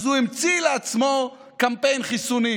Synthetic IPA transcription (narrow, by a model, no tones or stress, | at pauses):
zuimt͡sileat͡smo̞ | kampe̞jnχisuni